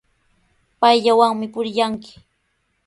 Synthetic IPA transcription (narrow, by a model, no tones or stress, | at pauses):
pajʎawaŋmɪpʊɾɪjaŋkɪ̥